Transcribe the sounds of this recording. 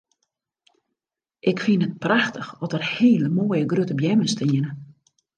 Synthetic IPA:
ʔɪkfinət̚praxtəxɔtərheːləmoːjəɡrøtəbjɛməstɪənə

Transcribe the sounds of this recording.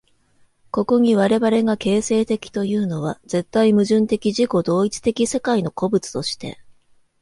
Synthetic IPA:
ko̞ko̞ɲ̟iβaɾe̞βaɾe̞ɡake̞ːse̞ːt̪e̞kʲi̥t̪o̞jɯ̟ːno̞β̞a̰ze̞t̪ːaimɯ̟ʑɨ̃nt̪e̞kʲiʑiko̞d̪o̞ːit͡sɨ̥t̪e̞kʲise̞kaino̞ko̞bɯ̟t͡sɨ̥t̪o̞ɕi̥t̪e̞̰

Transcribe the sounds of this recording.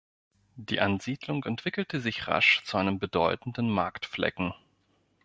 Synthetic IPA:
d̥iːʔanziːdlʊŋɛntv̥ɪkl̩təzɪçʁa̰ʃt͡suʔaɪnəmbədɔʏtn̩dn̩maɐktflɛ̰kŋ̩

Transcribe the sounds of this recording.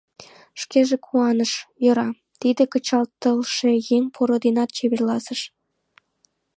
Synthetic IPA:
ʃkeʒekʰuɑnəʃjɤ̆ɾɑ | t̪id̪ekət͡ɕɑlt̪əlʃejeŋʲpʰoɾod̪enɑt̪̚t͡ɕeβerlɑsəʃ

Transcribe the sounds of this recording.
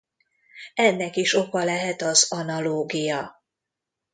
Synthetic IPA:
ɛnːɛkiʃokɒlɛɦɛt̪ɒzɒnɒloːɡijɒ

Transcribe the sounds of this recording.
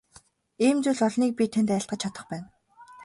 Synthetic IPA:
iːmt͡suɮɔɮniːk̚pʲit̪ʰent̪æɪ̆ɬt̪̚ɢə̆t͡ɕʰat̪ə̆χpæːn

